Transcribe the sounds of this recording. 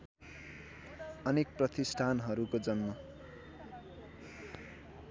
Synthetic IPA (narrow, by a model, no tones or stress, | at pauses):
ʌnek̚prʌt̪isʈʰanɦʌɾukod͡zʌnmʌ